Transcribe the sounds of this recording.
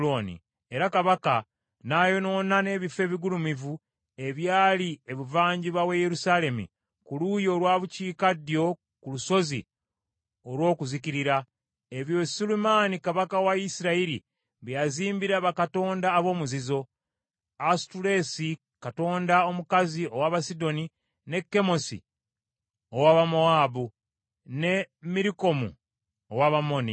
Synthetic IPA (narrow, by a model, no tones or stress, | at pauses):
onḭ | e̞ɾakaβaka | naːjo̞no̞ːnane̞βife̞ːβiɡulumivu | e̞βjaːlieβuvaːɲɟiβaweje̞ɾusaːle̞mḭ | kulujo̞lwaːβuciːkadjo̞ | kuluso̞zḭ | o̞lwo̞ːkuziciɾiɾa | e̞βjo̞sulumaːnikaβakawaisiɾaiɾḭ | βjaziːmbiɾaβakato̞ːndaːβo̞ːmuzizo̞ | astuɾesi | kato̞ːndao̞mukazio̞waβasido̞ni | ne̞kːe̞mo̞sḭ | owaːβamoaːbu | ne̞miɾiko̞mṵ | owaβamo̞ni